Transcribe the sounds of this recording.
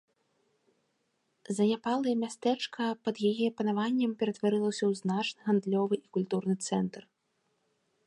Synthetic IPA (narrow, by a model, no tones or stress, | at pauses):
zɐnʲapalˠɐjɐmʲast̪ɛt͡ʂkʰɐpɐd̪jajiɐpɐnavanʲːɐmpʲɛɾɐt̪vaɾɨlˠɐwsʲɐwznat͡ʂnɨɣand̪lʲɔvɨʔikulʲt̪urnɨt̪sɛnt̪r